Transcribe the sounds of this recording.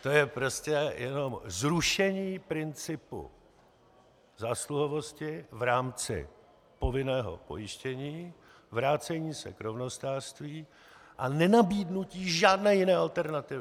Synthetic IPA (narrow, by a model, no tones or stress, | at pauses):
t̪o̞jɛpɾo̞scɛjʔɛno̞mzɾuʃɛɲiːpɾɪnt͡sɪpṵ | zaːsluɦovo̞scɪvɾaːmt͡sɪ̰ | po̞vɪnɛːɦo̞̰po̞̰jɪʃcɛɲiː | vɾaːt͡sɛɲiːsɛ̰kɾovno̞st̪aːr̥st̪viː | ʔanɛnabiːdnuciːʒaːdnɛːjɪnɛːʔalt̪ɛɾnat̪ɪvɪ